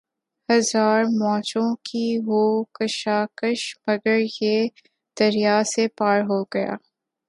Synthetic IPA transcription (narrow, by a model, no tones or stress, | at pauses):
hɐzaːɾmɔ̃ːt͡ʃõkiʋoːkɐʃaːkəʃmɐɡəɾje | d̪̥ɐɾijasepaːɾɦoɡɐja̰ː